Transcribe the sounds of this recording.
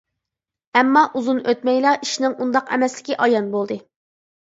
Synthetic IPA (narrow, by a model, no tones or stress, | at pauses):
ɛmːɑʔuzunøt̪̚mɛjlˠɑʔiʃnɪŋʔund̪ɑqɛ̰mɛslɪ̥kʲiʔɑjɑnbolˠd̪ɨ